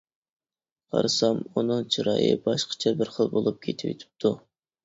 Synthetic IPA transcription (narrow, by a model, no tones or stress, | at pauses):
qʰɑ̰ɾɨsɑmunɨŋt͡ʃʰiɾɑ̰ːjɨ̰bɑʃqʰɑ̥t͡ʃʰɛbɪɾχəlˠbolˠup̚kʲʰet̪ʰɪwḛt̪ʰɪ̥p̚t̪ʰu